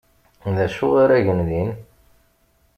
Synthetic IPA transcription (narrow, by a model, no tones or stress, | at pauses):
ðæʃʊʁaɾæʝənðin